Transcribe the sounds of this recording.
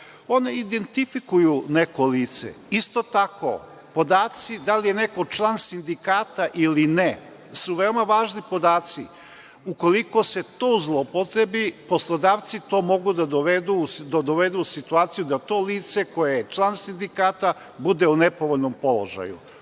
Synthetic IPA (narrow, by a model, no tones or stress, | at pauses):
o̞neid̪e̞nt̪ifikujuneko̞liːt̪sḛist̪o̞t̪ako̞̰ | po̞d̪aːt̪sid̪alije̞ne̞ko̞t͡ʃlˠansind̪ikaːt̪aʔiline | suʋe̞omaʋaːʒnipo̞d̪aːt̪si | uko̞liko̞se̞t̪o̞uzlˠopot̪ɾebipo̞slˠod̪aːʋt̪sit̪o̞mo̞ɡud̪ad̪oʋed̪ud̪od̪oʋed̪uusit̪uaːt̪sijud̪at̪o̞ːliːt̪se̞ko̞jejet͡ʃlˠansind̪ikaːt̪a | bud̪eunepo̞ʋoʎʲnompo̞lˠo̞̰ʒa̰jṵ